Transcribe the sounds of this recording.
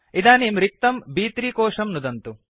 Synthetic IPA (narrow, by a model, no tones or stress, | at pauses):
id̪aːniːmɾik̚t̪ɐmbiːt̪ɾiːkoːʂɐmnud̪ɐnt̪u